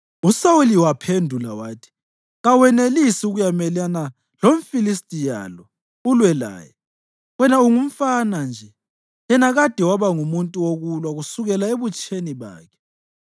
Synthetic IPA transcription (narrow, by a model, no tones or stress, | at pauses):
usawuliwapʰendʱula̰waːtʰi̥ | ɣawɛnelisiuɣujamɛlana | lom̩filistʼija̰lɔ | ulwɛla̰ːjɛ | wɛnauŋum̩fanand͡ʒʱɛ | jɛnaɣad̥ʱɛwaβaŋumuntʼuwoɣulwaɣusuɣɛlaeβut͡ʃʼʰeniβa̰ːkʰɛ̥